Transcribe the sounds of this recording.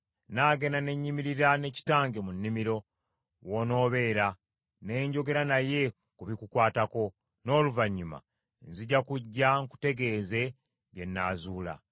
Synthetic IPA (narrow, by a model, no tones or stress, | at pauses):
naːɡe̞nane̞ɲːimiɾiɾane̞ci̥taːŋɡe̞munːimiɾo̞ | wo̞no̞ːβe̞ːɾa | ne̞ːɲɟo̞ɡe̞ɾanaje̞ | kuβikukwaːtako̞ | no̞ːluvaɲːima̰ | nziɟakuɟːaŋku̥te̞ɡe̞ːze̞ | βje̞nːaːzuːla̰